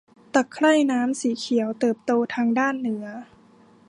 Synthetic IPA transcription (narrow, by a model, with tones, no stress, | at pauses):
t̪a˨˩kʰːla˥˩jnaː˦˥msiː˩˦kʰi˩˦əwt̪ɤː˨˩p̚t̪oː˧t̪ʰaː˧ŋdaː˥˩nːɯ˩˦˥ɐ